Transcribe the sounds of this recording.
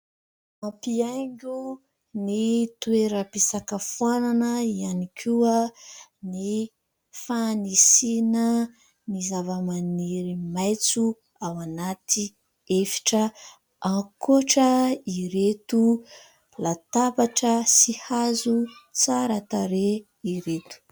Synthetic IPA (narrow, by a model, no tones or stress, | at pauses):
mãpiajŋɡʲu | nit̪ueɾəpesakəfuwananəianikʰuəni | fanisinə | nizavəmaniɾimajt͡su | awanat̪i | efi̥ʈ͡ʂə | ãkoʈ͡ʂəiɾet̪u | lat̪abaʈ͡ʂəsihazut͡saɾət̪aɾe | iɾet̪u̥